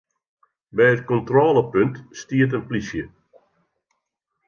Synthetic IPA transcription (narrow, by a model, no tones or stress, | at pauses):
bɛjət̚kɔntrɔːlˠəpøntstiət̬ənplisjə